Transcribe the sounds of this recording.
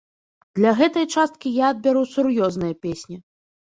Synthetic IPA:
d̪̥lʲɐɣɛt̪ɐjt͡ʂast̪̚kʲijaɐd̪̚bʲɛɾusurjɔznɨjɐpʲesʲnʲi

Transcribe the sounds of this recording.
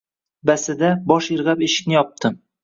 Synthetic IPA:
basɪd̪abɒʃɪɾʁapeʃɪ̥k̚ʲnɪjɒp̚t̪ʰɪm

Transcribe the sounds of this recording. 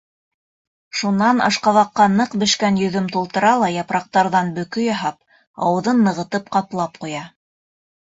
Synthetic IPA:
ʃunːɑnɑ̰ʃqɑβɑqːɑnɤqbɘ̆ʃkænjɵ̆ðɵmt̪ulˠt̪ɤ̆ɾɑlˠɑjɑpɾɑq̚t̪ɑɾðɑnbɵ̆kɵjɑɦɑp̚ | ɑ̰wɤ̆ðɤnːɤ̆ʁɤ̆t̪ɤpqɑplˠɑp̚qujɑ

